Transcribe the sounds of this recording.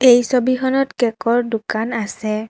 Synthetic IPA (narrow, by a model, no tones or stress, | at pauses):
ejsobixɔnɔtkɛkɔɹdʊkanasɛ